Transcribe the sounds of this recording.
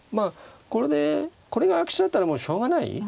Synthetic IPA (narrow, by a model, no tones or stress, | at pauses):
mako̞ɾe̞d̪e̞ko̞ɾe̞ɡaːkɯ̥ɕid̪at̪ːaɾamoːɕo̞ːɡanaḭ